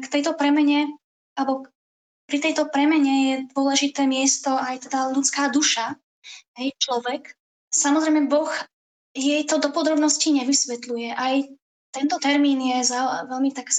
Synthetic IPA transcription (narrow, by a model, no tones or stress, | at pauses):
kt̪ɛjt̪ɔpɾɛmɛɲɛ | albɔ | pɾit̪ɛjt̪ɔpɾɛmɛɲɛjɛd̪ʊɔlɛʒit̪ɛːmɪɛst̪ɔajt̪ɛd̪alut͡skaːd̪uʃa | ɦɛjt͡ʃlɔʋɛk | samɔzɾɛjmɛbɔx | jɛjt̪ɔd̪ɔpɔd̪ɾɔbnɔsciɲɛʋisʋɛt̪lujɛʔaj | t̪ɛnt̪ɔt̪ɛɾmiːnjɛzaʋɛlmit̪aɡ